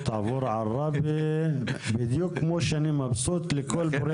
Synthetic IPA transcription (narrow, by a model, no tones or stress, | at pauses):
t̪ɑʕvʊɾʕɑrˤːɑbi | bɪd̪juːkmuʃanimabsuːt̪ˤlɪkʊlbʊɾ